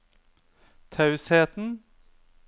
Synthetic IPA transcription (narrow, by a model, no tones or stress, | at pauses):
t̪ʰɑʉsheːt̪n̩